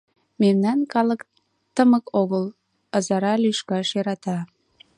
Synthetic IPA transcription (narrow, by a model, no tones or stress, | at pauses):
memnɑnkɑlək | t̪əməkoɣəl | əzɑɾɑlyʃkɑʃjeɾɑt̪ɑ